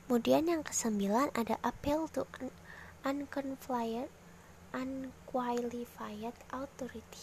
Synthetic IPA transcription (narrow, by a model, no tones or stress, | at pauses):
mudianjaŋkə̥səmbilanada̰ʔapɛlt̪u | ʔankɔnflajət̪ | ʔankwalifajət̪ʔaut̪ɔɾit̪i̥